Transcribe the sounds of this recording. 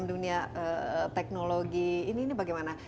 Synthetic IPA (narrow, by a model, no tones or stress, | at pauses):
mduniaət̪ɛk̚noloɡiːninibaɡajmana